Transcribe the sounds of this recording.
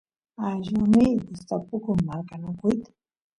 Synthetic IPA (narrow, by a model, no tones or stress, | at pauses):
aʒʊnid̪ɪst̪apʊkʊmaɾkanʊkʊjt̪ḁ